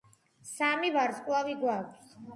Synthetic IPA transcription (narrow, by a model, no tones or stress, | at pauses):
samivaɾsʼkʼwaviɡwakʷʰs